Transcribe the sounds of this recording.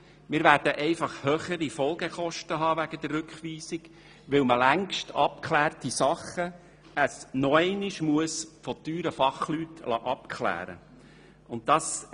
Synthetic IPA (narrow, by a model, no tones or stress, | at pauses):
mɪːɾvʋæːɾd̥əʔɛɪfɑχhœːχəɾifɔlˠɡeχɔʃtəɦɑːʋæɡ̥əd̥̪ərːʉkχʋiːsiɡ̥ | ʋɪlməlæŋkʃtɑp̚kʰlæːrtisɑχə | əsnɔɛɪniʃmuəsfɔt̪yːɾəfɑχlytlɑ̰ːʔɑpkʰχlæ̰ːɾə̰ | ʊnt̚tɑːs